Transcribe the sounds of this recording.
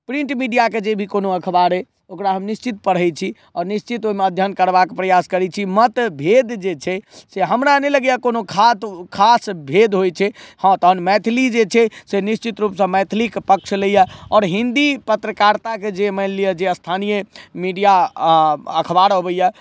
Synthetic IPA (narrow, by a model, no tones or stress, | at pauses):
pɾĩɳʈmiɖijaked͡ʒebʱikonoəkʰbaɾɛ | okɾaɦəmnist͡ʃit̪̚pəɽ̤ɦəjt͡ʃʰi | ɔːɾnist͡ʃit̪oimeəd̪ʱjənkəɾbakepɾəjaskəɾɛt͡ʃʰimət̪bʱed̪d͡ʒet͡ʃʰɛseɦəmɾaneləɡjakonokʰat̪kʰasbʱed̪ɦojt͡ʃʰɛhə̃t̪əɦənmɛt̪ʰlid͡ʒet͡ʃʰɛsenist͡ʃit̪ɾupsə̃mɛt̪ʰlikpək̚t͡ʃʰlejəɔːɾɦĩnd̪ipət̪ɾəkaɾt̪aked͡ʒemɛlliəd͡ʒeəst̪ʰanijəmiɖija | əkʰəbaɾɦobəjɛ